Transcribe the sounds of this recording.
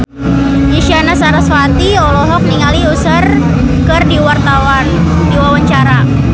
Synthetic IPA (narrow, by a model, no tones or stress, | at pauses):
iʃianasaɾaswat̪iɔlɔɦɔk̚niŋaliusər | kɨrdiwart̪awan | diwawaɲt͡ʃaɾa